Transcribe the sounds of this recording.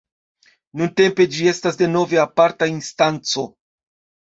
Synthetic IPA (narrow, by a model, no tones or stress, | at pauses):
nunte̞mpe̞d͡ʒie̞stasde̞no̞ve̞apaɾtainstant͡so̞